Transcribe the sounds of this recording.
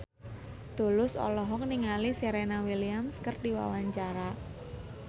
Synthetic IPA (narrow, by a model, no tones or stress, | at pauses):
d̪̥ṳlʊsɔ̰lɔɦɔk̚niŋaliseɾenawiliamskərdiwa̰waɲt͡ʃaɾa